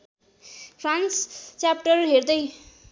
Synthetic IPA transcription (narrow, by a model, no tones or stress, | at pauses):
pʰranst͡sjapʈʌrɦeɾd̪ʌj